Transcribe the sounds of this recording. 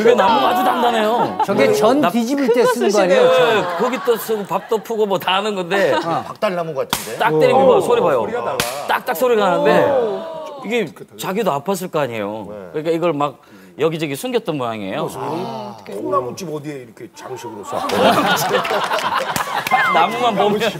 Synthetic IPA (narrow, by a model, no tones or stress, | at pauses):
uɡenamumad͡ʑudandanejoɡt͡ɕʌnpid͡ʑibtʰes͈ɯnɡaɲkɯɡit͈osʰoɡopap̚t͈ʌpʰuɡomʌtanɯnɡʌnde̞pak̚t͈aɭːamɯɡok͈atʰɯndet͈ak̚t͈eɾibibsʰoɾibajot͈ak̚t͈ak̚sʰoɾiɡananɯnde̞ | iɡe̞t͡ɕaɡidoapʰas̬͈ʰɯɭk͈aaɲiejo̰kɯɲik͈aiɡʌɭmak̚ | jʌɡid͡ʑʌɡisʰunɡjʌt̚t͈ʌnbunaɲiḛjo | onamot͡ɕ͈ibʌd̪ieiɾʌkʰet͡ɕaɡɯɕʰiɡɯɾos͈ʰa̰oe | namumanbomjʌn